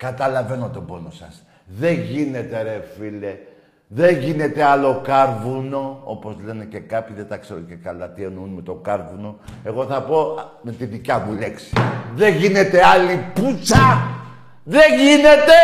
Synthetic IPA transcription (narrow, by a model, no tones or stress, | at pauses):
kɐt̪ɐlɐve̞no̞t̪o̞bo̞no̞sɐs | ðe̞ʝinet̪e̞ɾefile | ðeʝinet̪e̞ɐlo̞kɐɾvuno̞o̞̰po̞zle̞ne̞ce̞kɐpʰçiðet̪ɐkse̞ɾoce̞kɐlɐt̪ienunmet̪o̞ɡɐɾvuno̞e̞ɣo̞θɐpo̞ | me̞t̪iðicɐvule̞ksi̥ðe̞ʝinet̪e̞ɐliput͡sɐ | ðeʝinet̪e̞